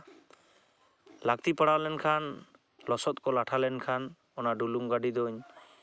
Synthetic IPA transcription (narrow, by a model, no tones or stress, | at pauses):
lak̚t̪ipaɽawlɛnkʰan | lɔsɔt̪̚kɔlaʈʰalɛnkʰan | ɔnaɖuluŋɡaɖid̪ɔɲ